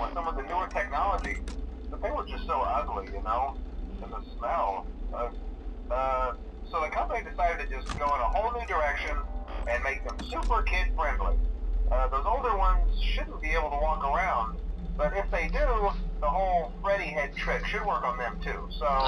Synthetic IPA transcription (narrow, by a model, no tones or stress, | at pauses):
wə̃nsʌ̃mʌvðɨnʉə˞tʰɛk̚nɑlˠəd͡ʒibət̪̚ðeɪwə˞d͡ʒʌstsoʊʔʌɡlijɨnoʊɨ̃nðɨsmɛlˠʌ | ʌ | soʊðɨkʰʌ̃mpənidɨsaɪɾɨd̚tʰɨd͡ʒʌsɡ̥oʊə̃ñəhoʊlˠnʉdə˞ɛkʃɨ̃nɨ̃nmeɪk̚ðɨ̃msʉpə˞kʰɪd̥fɹɛ̃ndˡlḭʔʌðoʊzoʊlˠdə˞wʌ̃nz̥ʃʊdⁿn̩b̥ieɪbl̩ˠtʰəwɔkə˞ãʊ̃nd̚b̥ʌɾɪfðeɪdɪɾlʊkðəɦoʊlˠfɹɛɾiɦɛd̚tʰɹ̥ɪkʃɨd̚wɜ˞kn̩ðɨ̃mtʰʉ | soʊ